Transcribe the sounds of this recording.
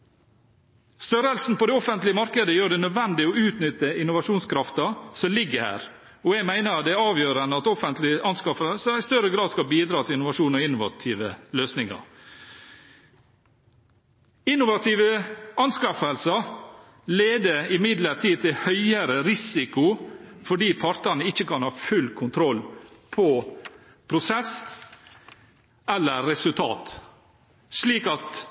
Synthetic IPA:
st̪œɾəlsn̩pɔd̪ɛɔfənt̪lɪəmɑɾkəd̪əjøːɖɛnœd̪ʋɛnd̪ɪɔʉːt̪nʏt̪ːəɪnʊʋɑʂuːnskʰɾɑft̪əsɔmlɪɡːəɾhæ̰ːɾ | ɔɛɡmæɪnəɾd̪ɛæɾɑːʋjøːɾənəɑt̪ɔfənt̪lɪʔɑnskɑfəsəæst̪œɾəɡɾɑːd̪skɑlbiːd̪ɾɑːt̪ʰɪlɪnʊʋɑʂuːnɔɪnʊʋɑ̰t̪ʰiːʋəløːsnɪŋɑ̰ɾ | ɪnːʊʋɑt̪ʰiːʋəʔɑnskɑfəlsɑ | leːd̪əɾɪmɪd̪ləɾt̪ʰiːt̪ʰɪlhœʏəɾəɾɪsɪkʊfɔɖiːpʰɑɾt̪ənəɪçːəkɑnhɑːfʉlkʰʊnt̪ʰɾɔlpʰɔ | pʰɾʊsɛs | ɛlːəːɛsʉlt̪ʰɑ̰ːt̪ | ʂliːkɑt̪

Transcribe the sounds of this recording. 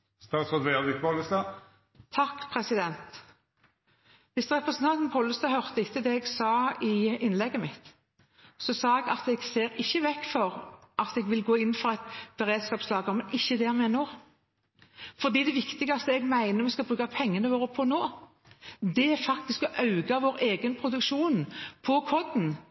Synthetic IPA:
st̪ɑːt̪sod̪ʋeʁd̪ɪk̚pʰoləst̪ɑː | t̪ʰɑkːpʰʁɛsɪd̪ɛnt̪ | ʋɪst̪ʁɛpʁəsnt̪ʰɑnt̪npʰɑːləst̪ɑhœʁt̪əɪt̪ːəd̪ɛɛɡsɑːɪɪnlɛɡːəmɪt̪ | sɔsɑːɛɡɑt̪ɛɡseːɾɪçːəʋɛkːfɔʁʔɑt̪ɛɡʋɪlɡoːɪn̩ːfɔʁæɪt̪b̥ɛʁeːd̪skɑːpslɑːɡəmɛnɪçːəd̪ɛmɛnoː | fɔd̪iːd̪ɛʋɪkt̪ɪɡɑst̪əɛɡmæɪnəɾmɛskɑbʁʉːkɑpʰɛŋːənəʋoːʁəpʰɔnoː | d̪ɛæɾfɑk̚t̪ɪskɔʔɑʉɡɑʋoːʁeːɡənpʰɾʊd̪ʉkʃuːnpʰɔkʰɔd̪n̩

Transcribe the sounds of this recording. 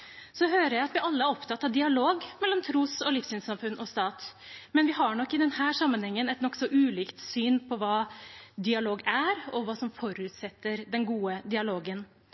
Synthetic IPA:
sɔɦøːɾəɾjæɪɑt̪ʋɪɑlːəæɾɔpt̪ʰɑt̪ːɑʋd̪ɪɑloːɡmɛlːɔmt̪ʰɾuːsɔlɪfsyːnsɑmfʉnːʔɔst̪ɑːt̪ | mɛnʋɪɦɑɳɔkːɪd̪ɛnhæːʂɑmːənhɛŋːənɛt̪nɔkːsɔʔʉːliːkt̪syːnpʰɔʋɑːd̪ɪɑloːɡæɾɔʋɑːsɔmfɔɾʉːt̪sɛt̪ːəɾd̪ɛnɡuːəd̪ɪɑloːɡən

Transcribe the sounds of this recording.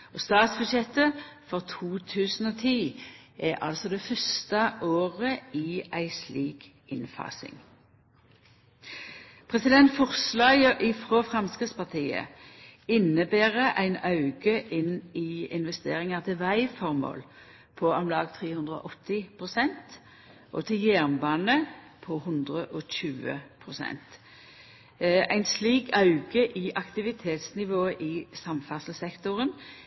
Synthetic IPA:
ɔːst̪ɑːt̪sbʉd̪ʃjɛt̪əfɔʁt̪ʰuːt̪ʰʉːsn̩oːt̪ʰiː | ʔɛʔɑ̰lsɔd̪ɛːfœst̪əʔoːʁəiːæɪsliːk | ɪnfɑ̰ːsɪ̰ŋ | pʰʁɛsɪd̪ɛnt̪fɔʁslɑːɡəʔɪfʁoːfʁɑmskɪspɑʁt̪ʰiːə̰ɪnːəbæːʁəʔæɪnɑʉɡəʔɪnɪɪnʋɛst̪ḛːʁɪŋɑʁt̪ʰɪlʋæɪfɔʁmo̰ːl | pʰɔɔmlɑːɡt̪ʰʁeːhʉnd̪ʁəɔ̰ʔɔt̪ːɪpʰʁʊsɛnt̪ | ʔɔ̰t̪ʰɪljæʁnbɑːnə | pʰɔhʉnd̪ʁəʔɔçʉːə̰pʰʁʊsɛ̰nt̪ | æɪnsliːkʰɑʉɡəʔɪʔɑkt̪ɪʋɪt̪ʰeːt̪snɪʋoːəʔɪsɑmfæsəl̩sɛkt̪ʊʁən

